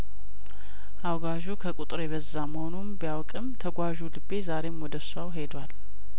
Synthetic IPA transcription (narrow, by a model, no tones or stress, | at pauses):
ʔawɡaʒukʰəkʼut̪ʼɾebəzːaməhonumbijawkʼɨmt̪ʰəɡʷaʒulɨbːe̞zaɾe̞mwɔd̪əsawɦe̞d̪wal